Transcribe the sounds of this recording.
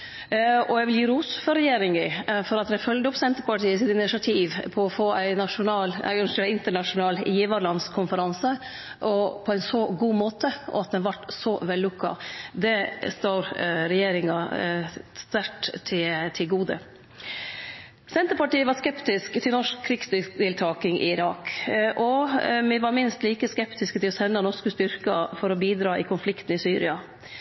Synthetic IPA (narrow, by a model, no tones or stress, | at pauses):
ɔjæʋɪljiːɾuːsfɔɾɛjeːɾɪŋɪfɔɾɑt̪d̪ɛfœld̪əʊpsɛnt̪əɾpɑʈiːəɪsɪt̪ɪnɪʃɪɑt̪ʰiːʋpʰɔɔfoːʔæɪnɑʂʊnɑːlæ̰ɪnʂɛɪnt̪əɳɑʂʊnɑːlɪjiːʋɑɾlɑnskʰʊnfəɾɑnsə | ʔɔpʰɔæɪnsɔɡuːmoːt̪əʔɔ̰ɑt̪̚d̪ɛnʋɑʈːsɔʋɛlːʊkːɑ̰d̪ɛst̪oːɾɾɛjeːɾɪŋɑ | st̪æʈt̪ʰɪt̪ʰɪlɡuːd̪ə̰ | sɛnt̪əɾpɑʈiːəʋɑɾskɛpt̪ɪskt̪ʰɪlnɔʂk̚kʰːɾɪkst̪t̪ɪlt̪ʰɑːkɪŋʔɪ̰ɪɾɑːkʔɔmɪʋɑɾmɪnst̪liːkəskɛpt̪ɪskət̪ɪlɔsɛnːɑnɔʂkəst̪ʏɾkɑfɔɾɔbiːd̪ɾɑːʔɪkʰʊnflɪkt̪n̩ɪsyːɾɪ̰ɑ